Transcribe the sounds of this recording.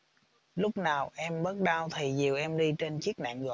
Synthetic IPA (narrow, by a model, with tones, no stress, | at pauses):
lʊ˦˥k͡p̚naː˨˩wʔɛ˧mɓə˦˥t̚ɗaː˧wt̪ʰi˨˩zi˨˩əwʔɛ˧mɗi˧t͡ɕe˧nt͡ɕi˦˥ək̚na̰ː˧˨ŋɣɔ̰˧˨